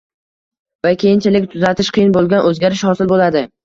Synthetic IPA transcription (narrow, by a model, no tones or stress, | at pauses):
vakʲʰejɪnt͡ʃʰɪlɪkʲt̪ʰʊzat̪ʰɪʃqʰɨjɪnbolˠɡʲanʔɵzɡʲaɾɪʃhɒsɪlbolad̪ɪ